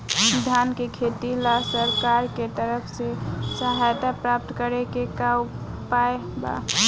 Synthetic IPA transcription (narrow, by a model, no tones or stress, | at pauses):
sd̪ʱankekʰet̪ilasəɾkaɾket̪əɾəpʰsesəɦajt̪apɾap̚t̪kəɾekekaw | paeba̰